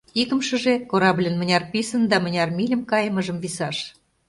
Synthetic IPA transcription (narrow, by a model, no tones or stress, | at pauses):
ikə̆mʃə̆ʒekoɾɑblʲənmə̆nʲɑrpisə̆nd̪ɑmə̆nʲɑrmilʲəmkɑjəməʒə̆mvisɑʃ